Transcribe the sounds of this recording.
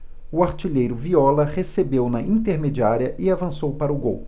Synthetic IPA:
ʊaɾt͡ʃiʎejɾʊviɔlɐʁesebewnɐĩt̪eɾmed͡ʒiaɾiɐʔɪavɐ̃sowpaɾɐʊɡo̰w

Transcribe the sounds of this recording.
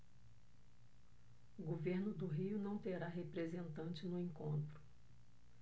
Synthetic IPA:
ʊɡoveɾnʊd̪ʊɦiʊnɐ̃w̃t̪eɾaɦepɾezẽnt̪ɐ̃nt͡ʃɪnʊẽŋkõnt̪ɾʊ

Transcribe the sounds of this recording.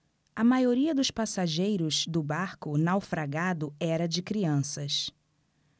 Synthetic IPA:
ɐmajoɾiɐd̪ʊspasaʒejɾʊzd̪ʊbaɾkʊnawfɾaɡad̪ʊɛɾɐd͡ʒɪkɾiɐ̃sɐs

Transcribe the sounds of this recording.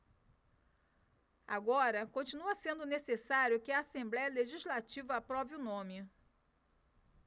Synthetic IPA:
a̰ɡɔɾɐkõt͡ʃinuɐsẽnd̪ʊnesesaɾjʊkɪɐaːsẽmblɛjɐleʒiʒlat͡ʃivɐapɾɔviʊnõmɪ

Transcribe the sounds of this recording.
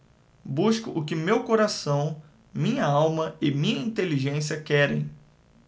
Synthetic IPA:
buʃkʊʔʊkɪmewkoɾasɐ̃w̃ | mĩɲɐawmɐɪmĩɲɐĩt̪eliʒẽsiɐkɛɾḛ̃j̃

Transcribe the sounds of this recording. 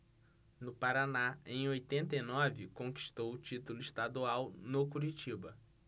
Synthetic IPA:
nʊpaɾanaẽj̃ojt̪ẽnt̪ɐjnɔvɪkõŋki̥ʃt̪owʊt͡ʃit̪ʊlʊiʃt̪ad̪uawnokuɾit͡ʃibɐ

